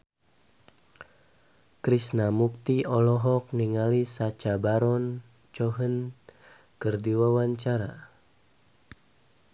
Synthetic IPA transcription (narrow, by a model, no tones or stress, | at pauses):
kɾisnamuk̚t̪iɔlɔɦɔk̚niŋalisat͡ʃabaɾɔn | t͡ʃɔɦən | kərdiwawaɲt͡ʃaɾa